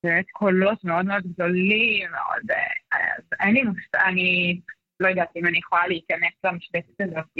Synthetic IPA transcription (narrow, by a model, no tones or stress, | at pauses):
bemet̪kʰo̞lo̞t̪meo̞d̪meo̞d̪ɡ̚d̪o̞limːeʔo̰d̪ḛa̰zenlimusani | lo̞jad̪at̪iimanijeχolaleikaneslamaʃbet̪it̪azot